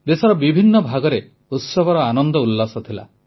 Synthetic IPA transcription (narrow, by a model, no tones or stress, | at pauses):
d̪esɔɾɔbibʱinːɔbʱaɡɔɾe | ut̪sɔbʱɔɾɔanɔnd̪ɔulːasɔt̪ʰila̰